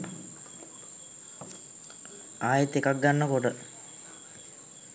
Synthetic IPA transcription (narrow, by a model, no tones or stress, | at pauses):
aːjet̪ːekak̚ɡanːəkoʈə